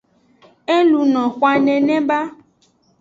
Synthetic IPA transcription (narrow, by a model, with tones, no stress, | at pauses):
e˦lu˨nɔ̃˨xwa˨nɛ̃˨nɛ̃˦ba˦